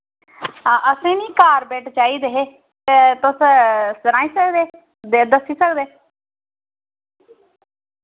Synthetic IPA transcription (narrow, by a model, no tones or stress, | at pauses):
ʔəsẽːniːkaːɾbɛːʈʰt͡ʃaːiːd̪eːɦeː | t̪et̪ʊssəɾãːiːsəkd̪eː | d̪eːd̪əsiːsəkd̪eː